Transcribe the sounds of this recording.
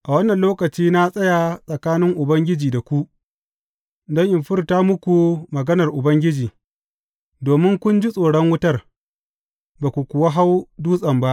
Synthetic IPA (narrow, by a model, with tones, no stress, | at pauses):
ʔa˨wɐ˦nːɐ˨nloː˦kɐ˨t͡ʃiː˦na˦sʼɐ˦ja˨sʼɐ˨kaː˦nɪ˦ŋʔʊ˨bɐ˦ŋɡʲɪ˦d͡ʒiː˨da˨kʷu˦ʔ | dɐ˦ŋʔɪ˨mɸɪ˦rtaː˦mʊ˦kʷu˨mɐ˨ɡɐ˦nɐ˨rʔʊ˨bɐ˦ŋɡʲɪ˦d͡ʒiː˨ | doː˨mɪ˦ŋkʷʊ˦nd͡ʒi˦sʼoː˨ɽɔ˦ŋwʊ˦tɐ˦r | baː˨kʷu˨kʷʊ˨wa˦ɦa˦wduː˦sʼɐ˨mba˦ʔ